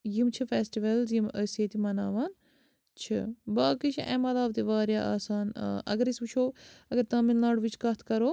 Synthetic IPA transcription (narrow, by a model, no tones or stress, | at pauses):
jimt͡ʃʰifeːsʈiʋɐlzjiməseːt̪imɐnaːʋaːn | t͡ʃʰɨ̰baːkit͡ʃʰiʔḛ̃ːmɐlaːbt̪iʋaːɾjaːʔa̰ːsaːna̰ʔɐ̰ɡɐɾisbut͡ʃʰoːɐɡəɾt̪ãːminlaːɽʋit͡ʃʰkɐt̪ʰkɐɾoː